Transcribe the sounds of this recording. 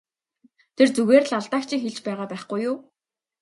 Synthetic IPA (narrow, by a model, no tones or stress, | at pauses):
t̪ʰert͡suɣeːr̆ɮaɮt̪aːkt͡ɕʰikxeɮt͡ɕpæːʁaːpæːχɡujʊː